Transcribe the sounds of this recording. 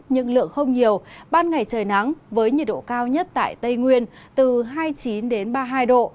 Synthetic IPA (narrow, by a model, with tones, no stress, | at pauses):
ɲɨ̰˧˥ŋlɨ̰˧˨əŋxə˧wŋ͡mɲi˨˩əwɓaː˧nŋa˨˩jt͡ɕəː˨˩jna˨˦ŋvəː˨˦jɲi˨˩t̚ɗo̰˧˨kaː˧wɲə˦˥t̚t̪a̰ː˧˨jt̪ə˧jŋwi˧ən | t̪ɨ˨˩ɦaː˧jt͡ɕi˨˦nɗe˨˦nɓaː˧ɦaː˧jɗo̰˧˨